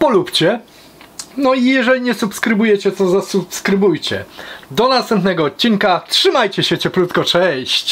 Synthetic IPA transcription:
pɔlupt͡ɕɛ | nɔijɛʐɛlʲiɲɛsupskɾɘbujɛt͡ɕɛt̪ɔzasupskɾɘbujt͡ɕɛ̰d̪ɔnast̪ɛmpnɛɡɔːt̪̚t͡ɕːiŋkatʂɘmajt͡ɕɛɕɛt͡ɕɛpɾut̪kɔt͡ʂɛj̃ɕt͡ɕ

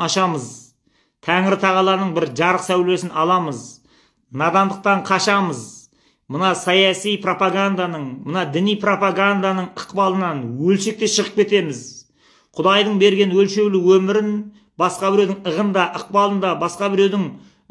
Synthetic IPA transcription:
ɑʃɑməz | t̪ʰæŋɪɾɪt̪ʰɑʁɑlˠɑnəɴbɪɾʒɑɾəqsæwle̞sɪnɑlˠɑməz | nɑd̪ɑnd̪əq̚t̪ɑɴqʰɑʃɑməz | mənɑsɑjɑsijpʰro̞paɡand̪anəɴmənɑd̪ɪnijpro̞paɡand̪anəɴəqpɑlˠənɑnwɵlʃe̞k̚t̪e̞ʃəʁəp̚kʲe̞t̪e̞mɪz | qʰʊd̪ɑjd̪əɴbe̞ɾɡʲe̞nwɵlʃe̞ɡlɪwɵmɪɾɪn | bɑsqɑbɪɾewd̪ɪŋəʁənd̪ɑʔəq̚pɑlˠənd̪ɑbɑsqɑbɪɾe̞wd̪ɪŋ

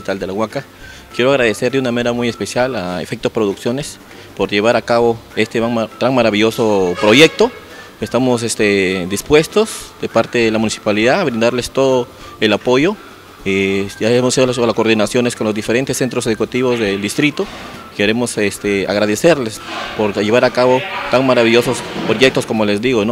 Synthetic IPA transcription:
it̪ald̪elaɣwaka | kje̞ɾoaɣɾaðe̞se̞ɾd̪eunamaneɾamujespe̞sjalaḛfek̚t̪opɾo̞ðuksjo̞ne̞s | po̞ɾʝe̞βaɾakaβoe̞st̪eat̪ɾaŋmaɾaβiʎo̞sopɾo̞ʝe̞k̚t̪o | est̪amosest̪ed̪ispwe̞st̪o̞sd̪e̞paɾt̪e̞ðelamũnisi̥paliðaːβɾind̪aɾle̞st̪o̞ðo | elapo̞ʝo | eaemoseiolslako̞ɾðinasjo̞neskonlozd̪ife̞ɾent̪esːe̞nt̪ɾose̞ðukut̪iβozðeld̪ist̪ɾit̪o | keɾe̞mo̞sest̪ea̰ɣɾaðese̞ɾlespoɾʝeβaɾakaβo̞t̪aŋmaɾaβiʝo̞sospɾo̞ʝek̚t̪o̞sko̞molezd̪iɣono

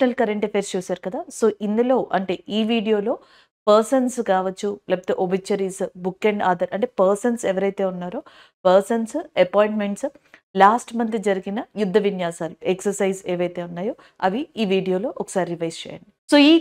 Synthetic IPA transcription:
nɐlkɐɾɐɳʈefʰeːɾst͡ʃuːsaːɾukɐd̪aːsoːʔind̪ulo̞ːʔɐɳʈe̞ːʔiːʋiːɖijo̞ːlo̞ː | pɐɾsɐnskaːʋɐt͡ʃːulɛpɐt̪eʔobit͡ʃːɐɾiːsbukːeɳɖaːd̪ɐɾɐɳʈe̞ːpɐɾsɐnseʋɐɾɐjt̪e̞ːunːaːɾo̞ː | pɐɾsɐnsɐpoːjɳʈme̞ɳʈs | laːsʈmɐnt̪id͡ʒɐɾiɡinɐjud̪ʱːɐʋinjaːsaːlueksɐɾsɐjzeːʋɐjt̪e̞ːunːaːjoː | ɐʋiiːʋiːɖijo̞ːlo̞ːʔɔkɐ̥saːɾiɾiʋɐjst͡ʃɛ̰ːjɐ̰ɳɖiso̞ːiː

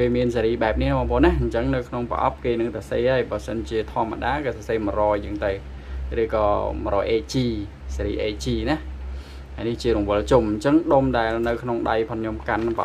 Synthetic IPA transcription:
keːmiənseɾiːɓaɛp̚nihnmaːpʰoːnːahɲt͡ɕəŋnɨwkʰnoŋpə̰̆ʔɑ̰p̚keːnɨŋt̪aseːhaːəjɓɑːsənt͡ɕiət̪ʰŏəmːa̰ɗaːkeːsɑseːmərɔːjɨəŋt̪ɨw | rɨːkɑːmɾɔːjʔeːt͡ɕiː | seɾiːʔeːt͡ɕiːnah | hajniht͡ɕiəɾuŋʋɨəlt͡ɕumɲt͡ɕəŋɗomɗaɛlnɨwkʰnoŋɗajpʰɑnɲomkanpə̰ʔ

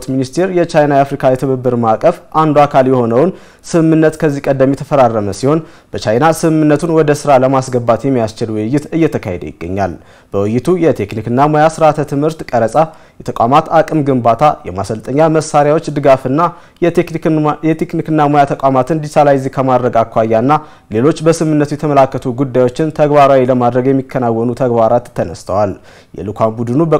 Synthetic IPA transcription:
t̪minist̪ʰe̞ɾjɛt͡ʃajnajafɾikʰajɛt̪ʰɨβɨbːɨɾmakʼəfʔand̪uakʰaljɛho̞nəwn | sɨɨmːɨnːət̪kʰəzːikʼəd̪ːəmjɛt̪ʰəfəɾarːəməsiho̞n | b̥ət͡ʃajnasɨɨmɨnːət̪ʰunwɔd̪əsɨɾaləmasɡəbat̪jɛmːijast͡ʃɪlwɨjːɪt̪ɨjːɛt̪ʰəkʰa̰hed̪ə̰jɪ̰ɡ̥ːə̰ɲːa̰l | b̥əwɨjɪt̪ʰujɛt̪ʰeknikɨnːamojasɨɾat̪ʰət̪ʰɨmhɨɾt̪kʼəɾəsʼa | jɛt̪ʰəkʼʷamat̪akʼɨmɡɨmbat̪ʰajɛmasəlt̪ʼəɲːaməsːaɾjawo̞t͡ʃːd̪ɨɡafɨnːa | jɛt̪ʰeknikɨnːamojat̪ʰəkʷʼamat̪ʰɨnd̪isalajɪzikʰəmad̪ɾəɡakʰːʷajːanːa | le̞lo̞t͡ʃːbəsɨmɨnːət̪ujɛt̪ʰəməlakːət̪ʰuɡud̪ːajwo̞t͡ʃːɪnt̪ʰəɡbaɾawiləmad̪ɾəɡjɛmːikʰːənawːɔnut̪ʰəɡbaɾat̪ːənəst̪ʰəwal | jɛ̰lukʰʷambud̪ɨnubə

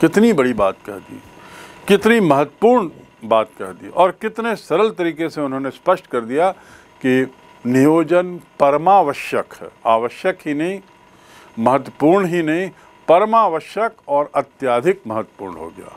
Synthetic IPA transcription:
kɪt̪nibɐɽibaːt̪kɐ̰ɾd̪ḭː | kɪt̪nimɐɦət̪ːwəpuːɾɳ | baːt̪̚kɐɦd̪ḭːʔɔːɾkɪt̪nesɐɾəlt̪ɐɾiːkeseʊnɦõːnespɐʃʈkɐɾd̪ija | ki | nɪjoːd͡ʒənpɐɾmaːʋəʃjəka̰ːʋəʃjəkɦinɐɦĩ | mɐɦət̪ːwəpuːɾɳɦinɐɦĩ | pɐɾmaːʋəʃjəkɔːɾɐt̪jaːd̪ʱɪk̚mɐɦət̪ːə̥pṵːɾɳɦo̰ɡɐja̰ː

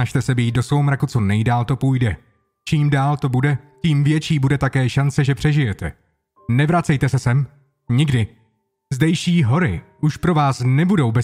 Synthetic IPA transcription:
aʃt̪ɛsɛbiːdo̞svowmɾakut͡so̞nɛjdaːlt̪o̞pujdɛ | t͡ʃiːmdaːlt̪o̞budɛciːmvjɛt͡ʃiːbudɛt̪akɛːʃant͡sɛʒɛpr̝̥ɛʒɪjɛt̪ɛ̰ | nɛvɾat͡sɛjt̪ɛsɛsɛm | ɲɪɡdɪ | zdɛjʃiːɦo̞ɾɪ̰ʔuʃpɾo̞vaːsnɛbudo̞wbɛ

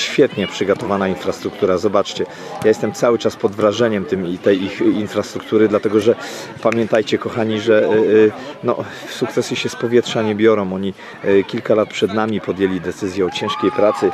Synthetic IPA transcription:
ɕfʲjɛt̪ɲɛpʂɘɡɔt̪ɔvanainfɾast̪ɾuk̚t̪uɾazɔbat͡ʂt͡ɕɛ | jajɛst̪ɛmt̪sawɘt͡ʂaspɔd̪vɾaʐɛɲɛmt̪ɘmt̪ɛjixinfɾast̪ɾuk̚t̪uɾɘd̪lat̪ɛɡɔʐɛ | pamʲjɛnt̪ajt͡ɕɛkɔxaɲiʐɛ | nɔ̰ | fsukt̪sɛsjiɕɛspɔvʲjɛtʂaɲɛbʲjɔɾɔ̃w̃ɔɲi | kʲilkalat̪̚pʂɛd̪namʲipɔd̪jelʲid̪ɛt̪sɘzʲjɛɔt͡ɕɛ̃ʂkʲejpɾat̪sɘ

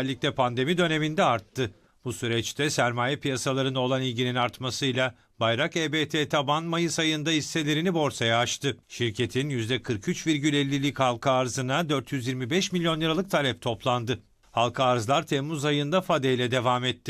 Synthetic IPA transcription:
lʲːiclʲɛpʰand̪e̞mid̪ø̞ne̞mind̪ɛaɾt̪ʰːɯ | b̥usyɾɛt͡ʃt̪ʰɛsæɾmaːjɛpijasalˠaɾɯno̞lˠanilʲɟininaɾt̪masɯjlˠa | bajɾakeːbet̪ʰeːt̪ʰabanmajɯsajɯnd̪ahisːe̞lʲe̞ɾinibo̞ɾsajaːt͡ʃt̪ɯʃiɾcʰe̞t̪ʰinjyzd̪ɛkʰɯɾkʰyt͡ʃviɾɟylʲɛlʲːilʲichalˠkʰaːɾzɯnad̪øɾt̪ʰjyzjiɾmibɛʃmilʲjo̞njˠɯɾalˠɯk̚t̪ʰalʲɛp̚t̪ʰo̞plˠand̪ɯ | halˠkʰaːɾzlˠaɾt̪ʰɛmːuzajɯnd̪afad̪ejlʲɛd̪e̞vaːmɛt̪ʰːɪ

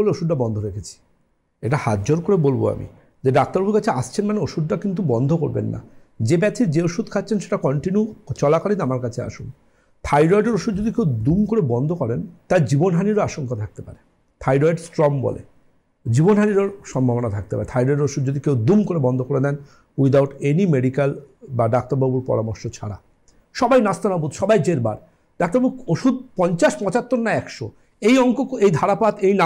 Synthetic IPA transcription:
oleoʃud̪ɾabɔnd̪ʱoɾekʰet͡ɕʰi̥ | eʈahat̪d͡ʑoɾkoɾebolbo̰a̰mḭ | d͡ʑeɖak̚t̪aɾbuɾkat͡ɕʰeaʃt͡ɕʰenmaneoʃud̪ːakint̪̬ubɔnd̪ʱokoɾbḛnːa̰ | d͡ʑebɛt̪ʰiɾd͡ʑeoʃud̪̚kʰatːɕʰenʃeʈakɔɳʈinjut͡ɕɔlakalit̪amaɾkat͡ɕʰea̰ʃun | t̪ʰajɾɔjɖeɾoʃud̪̚d͡ʑod̪ikewd̪umkoɾebɔnd̪ʱokɔɾent̪ajd͡ʑibonɦaniɾoaʃoŋkat̪ʰak̚t̪epa̰ɾe | t̪ʰajɖɔjɖsʈɾɔmbɔ̰lḛ | d͡ʑibonɦaniɾoɾʃɔmbʱabonat̪ʰak̚t̪epa̰ɾḛt̪ʰajɖɔjɖeɾoʃud̪d͡ʑod̪ikewd̪umkoɾebɔnd̪ʱokoɾed̪ɛn | wid̪awʈenimeɖikalbaɖak̚t̪aɾbabuɾpɔ̰ɾamoɾʃot͡ɕʰa̰ɽa̰ | ʃɔbajnast̪anabud̪ʃɔbajd͡ʑeɾba̰ɾ | ɖ̥akt̪aɾbabuoʃud̪̚pɔɲt͡ɕaʃpɔ̃t͡ɕat̪ːoɾnaɛkʃo | ejɔŋkokejd̪ʱaɽapat̪ejna

